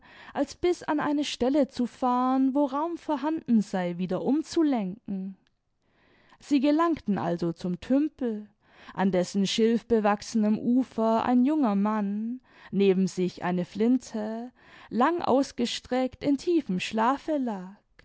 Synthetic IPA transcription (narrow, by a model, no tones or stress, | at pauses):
ʔalsb̥ɪsa̰nʔa̰ɪnəʃtɛlət͡sufaːʁənvoːʁaʊmfoːɐɦandn̩zaɪviːdɐʔʊmt͡sulɛŋkŋ̩ | z̥iːɡəlaŋktn̩ʔa̰lzot͡sʊmtʰʏmpl̩ | ʔandɛsn̩ʃɪlfb̥əvaksənəmʔuːfɐʔa̰ɪnjʊŋɐman | neːbm̩zɪçʔa̰ɪnəflɪntʰə | laŋʔa̰ʊsɡ̥əʃtʁ̥ɛktɪntʰiːfəmʃlaːfəlaːk